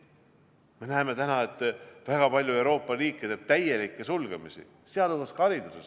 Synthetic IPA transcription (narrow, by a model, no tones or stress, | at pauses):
me̞næeme̞t̪ænɑe̞t̪ːˑvæɡ̥ɑpɑlʲjue̞wɾo̞ːpˑːɑriːkːˑet̪eːb̥̚t̪æje̞likːˑesulɡ̥emisḭ | seɑluskɑɾid̪̥uses